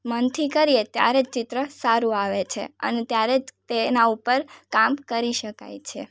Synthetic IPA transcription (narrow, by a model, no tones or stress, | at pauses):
mənt̪ʰikəɾijet̪ja̰ɾed͡ʒt͡ʃɪt̪ɾəsaɾũaʋet͡ʃʰḛə̰net̪jaɾed͡ʒt̪enaupəɾkamkəɾiʃəka̰jt͡ʃʰe